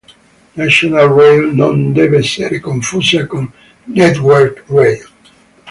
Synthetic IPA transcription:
naʃonalrejlnõnd̪ɛveseɾekoɱfusjakõnː | ɛt̪wɛɾkɹejl

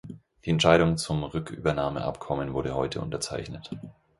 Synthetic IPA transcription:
d̥iːɛntʃaɪɾʊŋt͡sʊmʁʏky̰ːbɐnaːmə̰ʔa̰pkʰɔmənvʊɐɾəɦɔʏtʰəʔʊ̰ntɐt͡sa̰ɪçnət

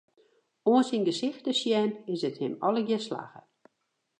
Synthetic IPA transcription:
oənsinɡəsɪxtəsjɛnɪsəthɪmɔləɡjɛsla̰ːɣə

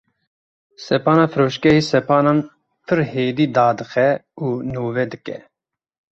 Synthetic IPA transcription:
sɛpɑːnaːfɨɾoːʃkɛɦiːsɛpɑːnɑːn | pʰɨɾheːd̪iːd̪ɑːd̪ɨxɛuːnoːvɛd̪ɨkɛ̰

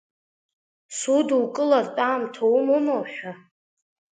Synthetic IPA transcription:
sudulkʼɨlaztʼaːmtʰowmumowħᶣa

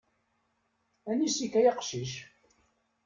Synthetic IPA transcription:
ænisikːæjɑqʃiʃ

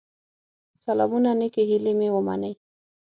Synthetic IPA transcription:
salɑ̰munanɪkeɦilemewəma̰nəj

